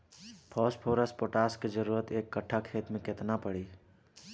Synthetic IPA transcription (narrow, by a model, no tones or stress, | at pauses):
pʰɔːspʰoːɾəspoʈaːsked͡ʒəɾuːɾət̪eːkːəʈʰːakʰeːt̪mẽkɪt̪napəɽiː